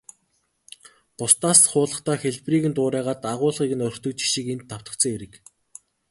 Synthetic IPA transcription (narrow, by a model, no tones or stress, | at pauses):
pʊst̪aːsχʊːɮə̆χt̪aːxeɮpriːɣɘ̆nt̪ʊːɾæːʁaːt̪aʁʊːɮʁiːɣɘ̆nɔɾ̆t̪ʰɵ̆kt͡ɕi̥ʃĭkent̪ʰːaw̥t̪ə̆t͡sɞ̆ŋeɾɘ̆k